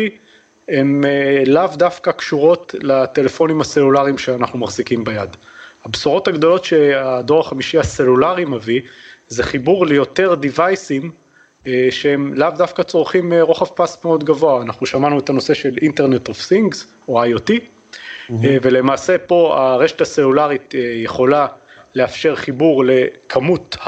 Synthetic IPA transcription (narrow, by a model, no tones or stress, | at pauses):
i | emelavdafkakʃuʁo̞tlat̪e̞lefo̞nimase̞lulaʁimʃeanaχnumaχzikimbajad̪habsuʁo̞taɡdo̞lo̞tʃe̞ad̪o̞ʁaχamiʃiase̞lulaʁimavizeχibuʁlejo̞te̞ʁd̪ivajsim | ʃehemlavdafkat͡so̞ʁχimeʁo̞χafpasmeo̞d̪ɡavoaːnaχnuʃamanuetano̞se̞ʃe̞linte̞ʁnetovsiŋɡz | oajoti | vele̞maːse̞po̞a̰ʁe̞ʃe̥tase̞lulaʁit̪ejeχo̞la | leafʃe̞ʁχibuʁle̞kʰamuth